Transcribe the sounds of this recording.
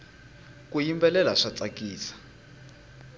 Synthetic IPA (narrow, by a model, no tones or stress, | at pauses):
kujimbɛlɛlaʂat͡sakiːsḁ